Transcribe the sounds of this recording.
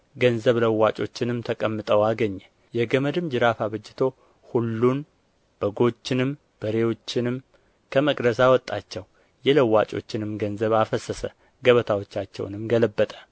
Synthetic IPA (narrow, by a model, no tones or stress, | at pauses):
ɡənzəβləwːat͡ʃʼo̞̰t͡ʃːɪnɨmt̪ʰəkʼəmːɨt̪ʼəwaɡəɲːɛ | jɛɡəməd̪ɨmd͡ʒɨɾafaβəd͡ʒːɪt̪ʰo̞ | hulːun | b̥əɡo̞t͡ʃːɪnɨm | b̥əɾewo̞t͡ʃːɪnɨm | kʰəməkʼd̪əsawɔt̪ʼːat͡ʃːɛw | jɛləwːat͡ʃʼo̞̰t͡ʃːɪnɨmɡənzəβafəsəsə̰ | ɡəβət̪ʰawo̞t͡ʃːat͡ʃːɛ̰wnɨmɡələbːət̪ʼə̥